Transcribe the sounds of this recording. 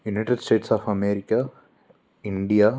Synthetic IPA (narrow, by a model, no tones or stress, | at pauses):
junɐjʈeɖsʈeːʈsaːfɐmeːɾikːɐ | iɳɖija